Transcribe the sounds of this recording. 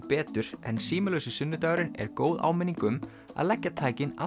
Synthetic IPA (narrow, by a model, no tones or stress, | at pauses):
pɛːt̪ʏɾ̥ɛnsiːmɪlœːɥsʏsʏnːʏt̪aːɣɾɪnɛ̰ɾkoːwða̰ːwmɪnːiŋkʏm | a̰ðlɛcːat̪ʰaːjcɪna̰